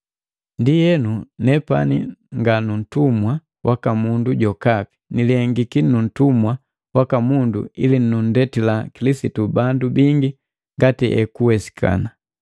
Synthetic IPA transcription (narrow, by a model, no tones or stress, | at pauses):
ndijɛnunɛpa̰niŋɡanun̩tumwa | wʔakamunduɟɔkapi̥niliɛŋɡikinun̩tumwa | wakamundṵḭlinnun̩dɛtilakilisitubandubiŋɡi | ŋɡatiʔɛ̰kuwɛsi̥kʰa̰na